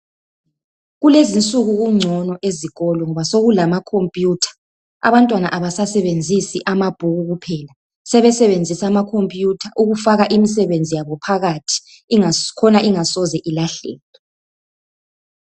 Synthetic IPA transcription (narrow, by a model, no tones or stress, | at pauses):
ɣulezint͡sʼuɣuɣuŋ͡ǀʱɔnɔʔeziɣɔlɔŋɔβasoɣulamakʰompʼjutʰḁ | a̰βantʼwana̰ʔaβasasɛβend͡zʱisiʔamab̥ʱuɣuɣupʰɛːla | sɛβɛsɛβend͡zʱisamakʰompʼjutʰaʔuɣufaɣaʔimisɛβend͡zʱijaβɔpʰaɣatʰi̥ | kʰɔnaʔiŋasɔzɛʔilaɬɛ̰ːlɔ